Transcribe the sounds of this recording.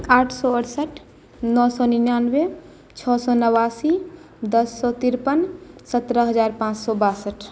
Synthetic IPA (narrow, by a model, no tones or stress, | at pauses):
aːʈʰsɔəʈsəʈʰ | nɔsɔninjanbe | t͡ʃʰɔsɔnəwasi | d̪əsːɔt̪iɾpənsət̪ɾəɦəd͡ʒaɾpãt͡ʃsɔbasəʈʰ